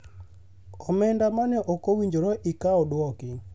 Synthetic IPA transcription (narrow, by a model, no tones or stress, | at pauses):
kʰɔmɛndamanɛʔɔkowiɲd͡ʒoɾɔʔikaɔdwɔkɪ